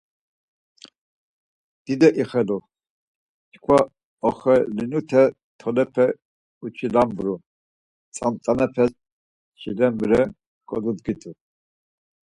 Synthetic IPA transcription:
d̪̥id̪ɛʔiχɛlu | t͡ʃkʰwa | ɔχɛlinut̪ʰɛ | t̪ʰɔlɛpʰɛ | ut͡ʃʰilambɾu | t͡sʼa̰mt̪ʼanɛpʰɛs | t͡ʃʰilɛmbɾɛ | kʼɔ̰d̪ud̪ɡit̪ʼu

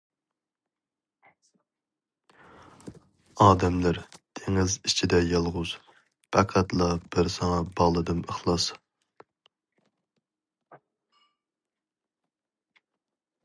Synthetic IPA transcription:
ɑːd̪ɛmlæɾt̪ʰeŋɪzit͡ʃʰid̪ɛjɑlˠʁʊz̥ | pʰɛqʰæt̪lˠɑb̥ɪɾsɑŋɑbɑlˠɨd̪ɨməχlˠɑs

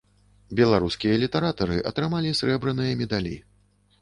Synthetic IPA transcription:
bʲɛlˠaɾuskʲijɐlʲit̪ɐɾat̪ɐɾɨʔɐ̰t̪ɾɨmalʲisɾɛbɾɨnɨjɐmʲɛd̪alʲḭ

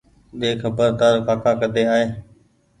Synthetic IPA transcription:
ɗeːkʰəbəɾd̪aːɾpaːkaːkəd̪eːaːɦeː

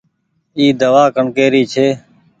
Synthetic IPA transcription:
iːd̪əʋaːkəɳkeːɾiːt͡ʃʰeː

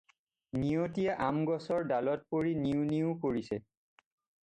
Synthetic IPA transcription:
niotijaʔamɡɔsɔɹdalɔt̚poɹiniʊniʊ̃koɹisɛ

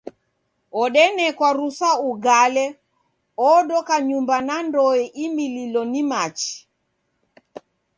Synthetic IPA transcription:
ɔɗɛnɛkwaɾusauɡalɛ | ɔɗɔkaɲumbanandɔɛʔimililɔnimat͡ʃi̥

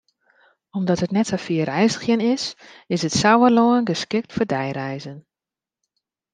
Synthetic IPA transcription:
ɔmdɔtətnɛtafiərɛjsəxjənɪsɪsətsawəloənɡəskɪk̚tfədɛjrɛjzən

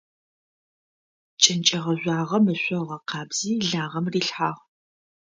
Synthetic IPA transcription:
t͡ʃʼɪnt͡ʃʼɐʁɐʑʷɑːʁɐmɨɕʷʼɔʁɐqɑːbz̥iːɮaːʁɐmriːɬħaːʁ

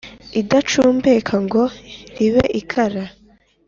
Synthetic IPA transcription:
idat͡ʃuːmbekʰaŋɡo̞ɾiβeʔikʰaɾa

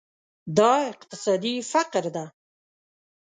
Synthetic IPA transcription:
d̪ɑɪqt̪ɪ̥sɑd̪ifaqɾd̪a

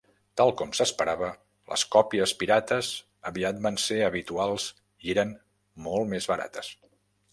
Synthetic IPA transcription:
t̪alˠkɔmsəspəɾaβə | lə̰skɔpiəspiɾat̪əz | əβiat̪̚banseəβit̪ualˠz | ieɾən | mɔlˠtmezβəɾa̰t̪əs

